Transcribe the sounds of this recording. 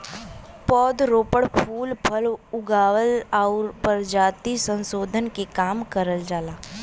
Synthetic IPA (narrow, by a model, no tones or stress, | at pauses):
pɔːd̪ɾoːpəɽpʰuːlpʰɐlʊɡaːwəlaʊɾpəɾd͡ʒaːt̪isə̃nsoːd̪ʱənkekaːmkəɾəld͡ʒaːlaː